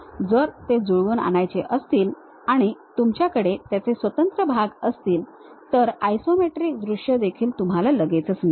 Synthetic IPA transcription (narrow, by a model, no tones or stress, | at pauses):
d͡zəɾt̪ed͡zuɭʋuːna̰ñajt͡seʔəst̪iːl | aɽ̃it̪umt͡ɕjakəɽet̪jat͡sesʋət̪ənt̪ɾəbʱaɡəst̪iːl | t̪əɾajsomeʈɾiːk̚d̪ɾuʂjəd̪ekʰiːlt̪um̤alaləɡet͡sət͡sn